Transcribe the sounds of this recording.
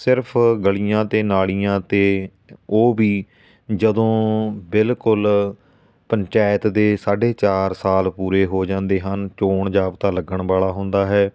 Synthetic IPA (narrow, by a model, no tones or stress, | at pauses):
sɪɾpʰɡəɭijãːt̪eːnaːɭijãːt̪eː | oːbiː | d͡ʒəd̪õːbɪlkʊl | pəɲt͡ʃaːjət̪d̪eːsaːɖeːt͡ʃaːɾsaːlpuːɾeːɦoːd͡ʒãːnd̪eːɦənt͡ʃoːɳd͡ʒaːpt̪aːləɡəɳbaːɭaːɦʊ̃nd̪aːɦɛː